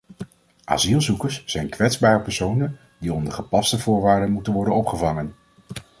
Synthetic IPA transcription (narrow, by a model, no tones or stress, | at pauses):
ʔa̰ːzilˠzukəɹsːɛjnkʋɛtzbaːrəpəɹsownən | diɔndəɹχəpɑstəvʊːɹʋaːɹdənmutənʋɔɹdənɔpχəvɑŋən